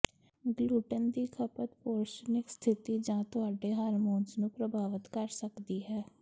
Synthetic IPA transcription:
ɡluːʈənd̪iːkʰəpət̪poːɾʃənɪkst̪ʰɪt̪iːd͡ʒãːt̪ʊaːɖeːɦaːɾmoːnsnũːpɾəbʱaːʋət̪kəɾsəkd̪iːɦɛː

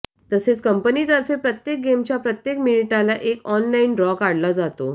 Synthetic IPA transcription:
t̪əset͡skəmpənit̪əɾfepɾət̪jek̚ɡemt͡ɕjapɾət̪jekminiʈalaʔekɔnlaiɳɖɾɔkaɽlad͡zat̪o

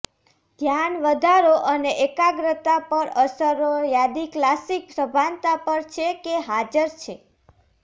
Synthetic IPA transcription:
d̪ʱjanʋəd̪ʱaɾoʔəneʔekaɡɾət̪apəɾəsəɾojad̪iklasik̚pɾəbʱant̪apəɾt͡ʃʰekeɦad͡ʒəɾt͡ʃʰe

